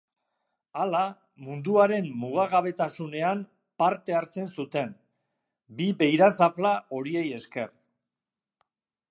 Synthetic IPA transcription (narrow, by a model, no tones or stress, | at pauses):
ala | mund̪uaɾe̞mːuɣ̞aɣaβ̞e̞t̪asune̞am | paɾt̪e̞aɾt͡se̞nsut̪e̞m | biβe̞jɾasaflao̞ɾie̞je̞ske̞̰r